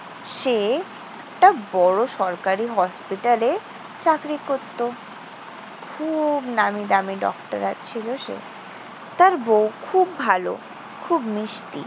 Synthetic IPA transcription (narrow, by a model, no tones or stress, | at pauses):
ʃe | ɛk̚ʈabɔɽoʃɔɾkaɾiɦɔspiʈale | t͡ɕakɾikoɾt̪ːo | kʰubnamid̪amiɖɔ̰kʈaɾat͡ɕʰiloʃḛ | t̪aɾbowkʰubːʱalo̰ | kʰubmiʃʈḭ